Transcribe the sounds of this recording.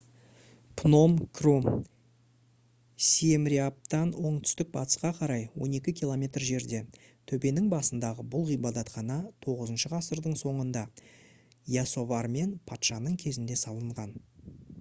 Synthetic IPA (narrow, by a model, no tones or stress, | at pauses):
pʰno̞mkʰrum | siemɾʲiap̚t̪ɑnwo̞ɴt̪ʰʏ̥st̪ɪk̚bɑt̪ə̥sqɑqʰɑɾɑjwo̞̰ne̞kʲɪkʲʰilˠo̞mʲe̞t̪rʒe̞ɾd̪e̞t̪ʰɵbe̞nɪŋbɑsənd̪ɑʁəbʊlˠʁijbɑd̪ɑt̪χɑnɑt̪ʰo̞ʁəzənʃəʁɑsəɾd̪əɴso̞ɴənd̪ɑ | jaso̞vɑɾme̞npʰɑt̪ʃɑnəɴkʲʰe̞zɪnd̪e̞sɑlˠəɴʁɑn